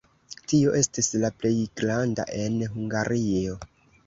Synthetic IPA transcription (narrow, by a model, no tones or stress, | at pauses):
tio̞ʔe̞stislaple̞jɡɾanda̰ʔe̞nɦuŋɡaɾʔio̞